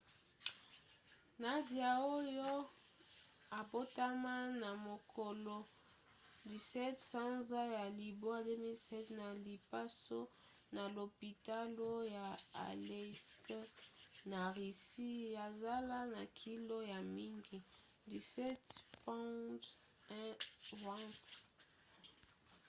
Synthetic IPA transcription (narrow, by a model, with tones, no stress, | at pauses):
na˨dja˨o˦jo˦ | a˨bo˦ta˦ma˦na˨mo˨kʰo˨lo˦ | di˨sɛ˦tsa˦nza˦ja˨li˨bo˦a˦de˦mi˦lsɛ˦tna˨li˨pa˦so˦ | na˨lo˨pi˨ta˦lo˦ja˨a̰˨le˦skna˨ʁi˨si˦ja˨za˦la˦na˨kʰi˦lo˦ja˨mi˦ŋɡi˨ | di˨sɛ˦tpa˦t | ɛ̃˦va˦s